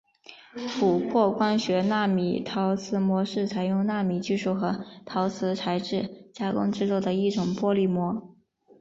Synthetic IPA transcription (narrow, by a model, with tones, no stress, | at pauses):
pʰu˨˩kʰwɔ˥˧kwa˥nɕɥɛ˧˥na˥˩mḭ˨˩t̪ʰɑ˧˥ʊt͡sʰɹ̩˧˥mwɔ˧˥ʂɻ̩˥˩t͡sʰa˨˩ɪjʊ˥˧ŋna˥˩mi˨˩t͡ɕy˥˧ʂu˥˩xɤ˧˥t̪ʰɑ˧˥ʊt͡sʰɹ̩˧˥t͡sʰa˧˥ɪʈ͡ʂɻ̩˥˩t͡ɕja˥kʊ̰˥ŋʈ͡ʂɻ̩˥˧t͡sɔ˥˩ʊd̪ə˩i˥˩ʈ͡ʂʊ˨˩ŋpwɔ˥li˥˩mwɔ˧˥